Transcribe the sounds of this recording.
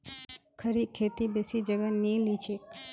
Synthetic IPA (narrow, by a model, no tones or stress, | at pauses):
kʰəɾikʰeːt̪ibesid͡ʒəɡənĩlit͡ʃʰek